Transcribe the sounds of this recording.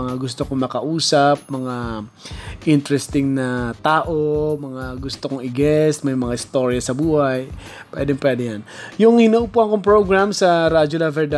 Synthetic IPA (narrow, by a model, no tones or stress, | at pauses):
ɐŋaɡʊst̪okoŋmɐkɐʔuːsɐp̚mɐŋa | ʔɪnt̪ɾɛst̪ɪŋnɐt̪aːʔomɐŋaɡʊst̪okoŋɪɡɛst̪̚mɐjmɐŋaʔɪst̪o̞ːɾjɐsɐbuːhaj | pwɛ̰d̪ɛŋpwɛd̪ɛjanjʊŋhɪnɐʔupuɐŋkoŋpɹoɡɹamsɐɾaːd͡ʒolɐvɛld̪a